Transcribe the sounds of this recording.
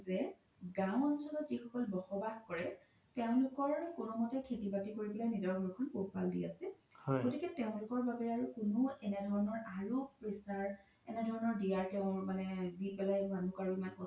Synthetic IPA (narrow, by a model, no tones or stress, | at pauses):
zɛ | ɡãw̃ɔnsɔlɔtzixɔkɔlbɔxɔbaxkɔɹɛ | teʊ̃lʊkɔɹkʊnɔmɔtɛkʰetibatikoɹibɛlajnizɔɹɡʱɔɹkʰɔnpotpaldḭasɛ | hɔɡotikɛteʊ̃lʊkɔɹbabɛɹaɹukʊnoɛnɛdʱɔɹɔnɔɹaɹupɹisaɹ | ɛ̰nɛdʱɔɹɔnɔɹdijaɹtɛʊ̃ɹmanɛdipɛlajmanukaɹuimankɔ